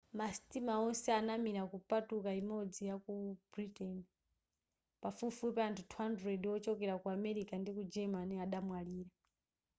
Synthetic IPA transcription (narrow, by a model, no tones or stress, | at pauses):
masi̥timaɔnsɛanamiɾakupatukaimɔd͡zijakub̥ɾitɛni | pafufupɛantʰutʰwandɾɛdiwɔt͡ʃɔkɛɾakuamɛɾikandikud͡ʒɛmaniaɗamwaliːɾa